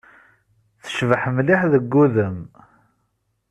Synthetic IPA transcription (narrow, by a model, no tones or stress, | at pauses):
θə̥ʃvəħəmliħðəɡːuðəm